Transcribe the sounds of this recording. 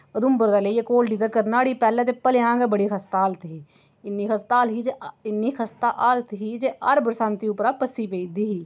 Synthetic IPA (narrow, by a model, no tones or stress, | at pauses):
əd̪ʊmbəɾd̪aːleiekoːlɖiːt̪akəɾnaːɽiːpɛːleːt̪epəlɪjãːŋɡɛːbəɽiːkʰəst̪aːlt̪ɦiː | ɪnːiːkʰəst̪aːlɦiːd͡ʒɪnːiːkʰəst̪aːʔaːlt̪ɦiːd͡ʒeːəɾbəɾsãːnt̪iːʊpɾaːpəsiːpeid̪iːɦiː